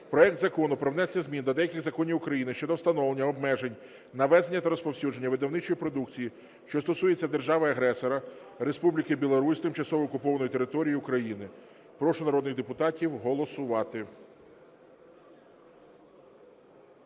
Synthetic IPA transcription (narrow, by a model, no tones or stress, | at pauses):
pɾɔɛk̚t̪zɐkɔnʊpɾɔʋnɛslʲɐzʲmʲind̪ʲɐd̪ɛjɐkʲɪɣzɐkɔnʲiwʊkɾɐjinɪʃt͡ʃɔd̪ɔwst̪ɐnɔʋlˠenʲːɐɔbmɛʒenʲ | nɐʋɛzenʲːɐt̪ɐɾɔspɔwsʲud͡ʒe̞nʲːɐʋɪd̪ɐwnɪt͡ʃɔjipɾɔd̪ukt͡sʲiji | ʃt͡ʃɔst̪ɔsuje̞t͡sʲːɐd̪e̞rʒɑʋɐɐɦɾɛsɔɾɐɾe̞spublʲikɪbʲilˠɔɾusʲt̪ɪmt͡ʃɐsɔʋɔːkʊpɔʋɐnɔjit̪eɾɪt̪ɔɾʲijiʊkɾɐjinɪ | pɾɔʃʊnɐɾɔd̪nɪɣd̪epʊt̪ɑtʲiwɦɔlˠɔsʊʋɑt̪ɪ